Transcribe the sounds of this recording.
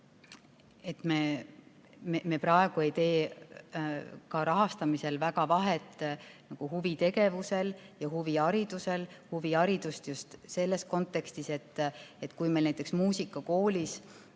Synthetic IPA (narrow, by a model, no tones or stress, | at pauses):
et̪ˑmeː | memeprɑe̞ɡ̥ue̞jt̪e̞ː | kɑɾɑɦɑst̪ɑmise̞lvækɑvɑɦe̞t̪ːˑnɑɡ̥uhuvit̪e̞ɡe̞vuse̞ljɑɦuviɑɾid̪̥use̞lhuviɑɾid̪̥ust̪just̪se̞lːe̞sko̞nt̪ːe̞kst̪ise̞t̪ːet̪ːˑkujmelnæjt̪ːˑeksmuːsikːˑɑko̞ːlis